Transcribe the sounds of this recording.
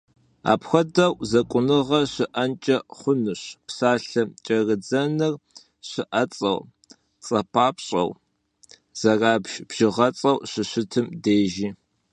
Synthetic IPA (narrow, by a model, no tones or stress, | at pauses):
a̰ːpxʷɐdɐwzɐkʷʼʊnɨʁɐɕɪʔɐnt͡ʃʼɐχʷʊnɨɕpsaːɬɐt͡ʃʼɐrɨd͡zɐnɨr | ɕɨʔɐt͡sʼɐ̰w | t͡sʼɐpʰaːpɕʼɐ̰w | z̥ɐraːbʒb̥ʒ̥ɪʁɐt͡sʼɐwɕɨɕɪtʰɨmdeːʒiː